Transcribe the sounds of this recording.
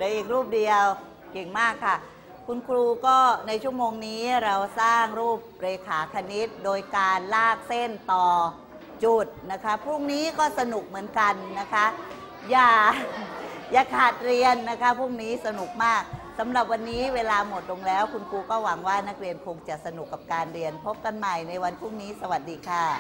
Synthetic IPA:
lɛ˨˦ʔiː˨˩k̚ɾuː˥˩p̚di˧əw | ke˨˩ŋmaː˥˩kʰːa˥˩ | kʰu˧nkʰɾuː˧kɔː˥˩na˧jt͡ɕʰu˥˩əmoː˧ŋniː˦˥ɾa˧wsaː˥˩ŋɾuː˥˩p̚ɾeː˧kʰaː˩˦kʰa˧ni˦˥t̪̚doː˧jkaː˧nlaː˥˩k̚se˥˩nt̪ɔː˨˩ | t͡ɕu˨˩t̪̚na˦˥kʰa˦˥pʰɾu˥˩əŋniː˦˥kɔː˥˩sa˧nu˨˩k̚mɯ˩˦ənka˧nːa˦˥kʰa˦˥ | jaː˨˩ | jaː˨˩kʰaː˨˩t̪̚ɾi˧ənːa˦˥kʰa˦˥pʰuː˥˩ŋniː˦˥sa˧nu˨˩k̚maː˥˩k̚sa˩˦mɾa˨˩p̚wa˧nːiː˦˥weː˧laː˧mo˨˩t̪̚lo˧ŋlɛː˦˥wkʰu˧nkuː˧kɔː˥˩wa˩˦ŋwaː˥˩na˦˥k̚ɾi˧ənkʰo˧ŋt͡ɕa˨˩ʔsa˧nu˨˩kːa˨˩p̚kaː˧nɾi˧ənpʰo˦˥p̚ka˧nma˨˩jna˧jwa˧npʰuː˥˩ŋniː˦˥sa˧wa˨˩t̪̚diː˧kʰa˥˩

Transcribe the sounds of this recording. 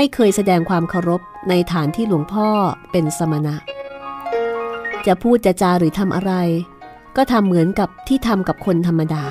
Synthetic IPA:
ma˥˩jkʰɤː˧jsa˧dɛː˧ŋkʰwaː˧mkʰa˧wɾo˦˥p̚na˧jt̪ʰaː˩˦nt̪ʰiː˥˩lu˩˦əŋpʰɔː˥˩pe˧nsa˧ma˧na˦˥ʔ | t͡ɕa˨˩pʰuː˥˩t̪̚t͡ɕa˨˩ʔt͡ɕaː˧ɾɯː˩˦t̪ʰa˧mʔa̰˧ɾa˧j | kɔː˥˩t̪ʰa˧mːɯ˩˦ənka˨˩p̚t̪ʰiː˥˩t̪ʰa˧mka˨˩p̚kʰo˧nt̪ʰa˧mːa˧daː˧

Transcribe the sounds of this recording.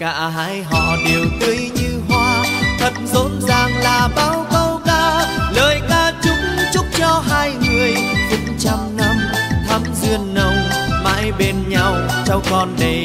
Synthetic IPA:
ka̰ː˧˥ɦa̰ː˧jɦɔ̰˧˨ɗe˨˩əwt̪ɨ˧əjɲɨ˧ɦwaː˧t̪ʰə˨˩t̚zo˧˨˦nzaː˨˩ŋlaː˨˩ɓaː˧˦wkə˧wkaː˧ləː˨˩jkaː˧t͡ɕʊ˨˦˥ŋ͡mt͡ɕʊ˦˥k͡p̚t͡ɕɔ˧ɦaː˧jŋɨ˨˩əjt͡ɕɨ˨˦ŋt͡ɕa˧mna˧mt̪ʰa˨˦mzɨ˧ənːə˧wŋ͡mma̰ː˧˥jɓe˧nɲa˧w | t͡ɕa˧wkɔ˧˩nɗe˨˩

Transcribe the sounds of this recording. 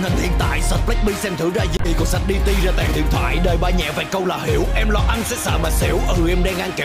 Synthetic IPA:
ŋhï˨˩ŋ̟h̪ḭ˧˨ənt̪a̰ː˧˨jsə˨˩t̚flɛ̟˦˥ɓi˧sɛ˧mt̪ʰɨ˧˥wzaː˧zi˧˩ɗi˨˧˩kɔ˨˧˦sa˨˩t̚ɗi˧t̪i˧zaː˧t̪a̰ː˧˨jt̪ʰḭ˧˨ənt̪ʰwa̰ː˧˨jɗəː˨˩jɓaː˧ɲɛ̰˧˨va̰ː˨˩jkə˧wlaː˨˩hi˧˦əwʔɛ˧mlɔ˧˩ʔa˧nsɛ̰˧˥sə̰ː˧˩maː˨˩sɛ˧˨˦əwʔəː˨˩˨ʔɛ˧mɗaː˧ŋʔaː˧nke˨˩

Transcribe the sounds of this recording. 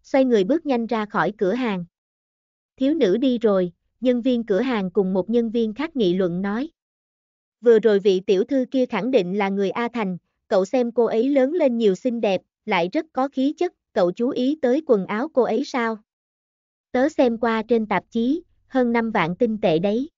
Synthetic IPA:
swa˧jŋɨ˨˩əjɓɨ˦˥ək̚ɲa˧jŋ̟zaː˧xɔ˧˩jkɨ˧˩əɦaː˨˩ŋ | t̪ʰi˨˦əwnɨ̰˧˥ɗi˧zo˨˩j | ɲə˧nvi˧ənkɨ˧˩əɦaː˨˩ŋkʊ˨˩ŋ͡mmo˨˩t̚ɲə˧nvi˧ənxaː˦˥t̚ŋḭ˧˨lwə̰˧˨nnɔ˨˦j | vɨ˨˩əzo˨˩jvḭ˧˨t̪ḭ˧˩əwt̪ʰɨ˧ki˧əxa˧˩ŋɗḭ̈˧˨ŋ̟laː˨˩ŋɨ˨˩əjʔaː˧t̪ʰa˨˩jŋ̟ | kə̰˧˨wsɛ˧mko˧ʔə˨˦jləː˨˦nle˧nɲi˨˩əwsï˧ŋ̟ɗɛ˨˩p̚la̰ː˧˨jzə˦˥t̚kɔ˨˦xi˨˦t͡ɕə˦˥t̚kə̰˧˨wt͡ɕu˨˦ʔi˨˦t̪əː˨˦jkwə˨˩nʔaː˨˦wko˧ʔə˨˦jsaː˧w | t̪əː˨˦sɛ˧mkwaː˧t͡ɕe˧nt̪a˨˩p̚t͡ɕi˨˦ | həː˧nːa˧mva̰ː˧˨nt̪ï˧ŋ̟t̪ḛ˧˨ɗə˨˦j

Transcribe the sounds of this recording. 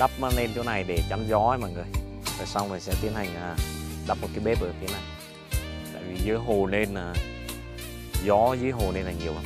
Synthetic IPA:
ɗa˦˥p̚mə˧le˧nt͡ɕo˨˦na˨˩jɗe˧˩t͡ɕa˨˦nzɔ˨˦a˨˦ma̰ː˧˨ŋɨ˨˩əj | t̪əː˨˩sa˧wna˨˩sɛ̰˧˥t̪i˨˦ənha˨˩jŋ̟ʔaː˨˩ | ɗa˦˥p̚m˨˩t̚kaː˨˦jɓe˦˥p̚ʔəː˧˩ki˨˦əna˨˩j | t̪a̰ː˧˨jvi˨˩zɨː˨˦jɦo˨˩le˧nlaː˨˩ | zɔ˨˦zɨː˨˦əjɦo˨˩le˧nlaː˨˩ɲi˨˩əwha˧˦

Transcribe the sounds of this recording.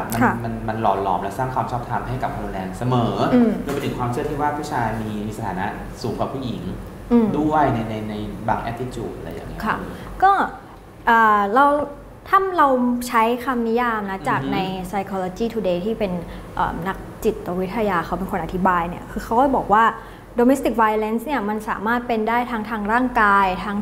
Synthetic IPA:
ma˧˩ma˧nma˧nlɔː˨˩t̪̚lɔ̰ː˨˩mlɛ˧˦˥saː˥˩ŋkʰwaː˧mt͡ɕʰɔː˥˩p̚t̪ʰa˧mɦa˥˩jka˨˩p̚kʰaː˧nɾu˧ndɛː˧nsa˧mɤː˩˦ʔɯː˧mɯː˧mpnt̪ɯ˩˦ŋkwaː˧mt͡ɕʰɯ˥˩ət̪ʰiː˥˩waː˥˩pʰuː˥˩t͡ɕʰaː˧jmiː˧miː˧sa˧t̪ʰaː˩˦na˦˥ | suː˩˦ŋkwaː˨˩pʰu˥˩ji˨˩˦ŋ | ʔɯː˧mdu˥˩əjna˧jna˧jna˧jbaː˧ŋʔɛ˦˥t̪ːi˧t͡ɕuː˨˩t̪̚ɾa̰˧˩ja̰˨˩˥ŋːi˦˥kʰa˧˥˩kɔː˥˩ | ʔaː˨˩ɾa˧w | t̪ʰa˥˩mɾa˧wt͡ɕʰa˦˥jkʰa˧mni˦˥jaː˧mna˦˥t͡ɕa˨˩k̚na˧jsa˧jkʰɔː˧loː˧t͡ɕiː˥˩t̪ʰuː˧˩deː˧t̪ʰiː˥˩pe˧nʔə̰ː˨˩mna˦˥k̚t͡ɕi˨˩t̪̚ːa˧˦wi˦˥t̪ʰːa˧jaː˧xʰa˦˥wpe˧nkʰo˧nʔa˨˩t̪ʰi˦˥baː˧jni˥˩ɐkʰɯː˧kʰa˦˥wkɔː˥˩jbɔː˨˩k̚waː˥˩ | doː˧me˦˥st̪i˨˩k̚wa˧jle˦˥nsni˥˩ɐma˧nsa̰ː˩˦maː˥˩t̪̚pe˧ndaː˥˩jt̪ʰaː˦˥ŋt̪ʰaː˧˥ŋɾaː˥˩ŋkaː˧jt̪ʰaː˦˥ŋ

